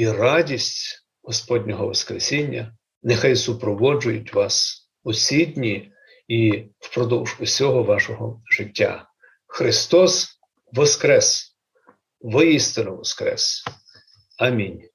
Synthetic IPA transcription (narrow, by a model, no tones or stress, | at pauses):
irɑdʲisʲtʲ | ɦɔspɔdʲnʲɔɦɔʋɐ̰skɾesʲinʲːɐ̰ | nexɑjsʊpɾɔʋɔd͡ʒʊjʊtʲʋɑs | ʊsʲidʲnʲi | iwpɾɔd̪ɔwʒʊsʲɔɦɔʋɑʃɔɦɔʒɪtʲːa̰ | xɾɪst̪ɔs | ʋɔskɾɛs | ʋɪjist̪ɪnʊʋɔskɾɛ̰s | ɐmʲinʲ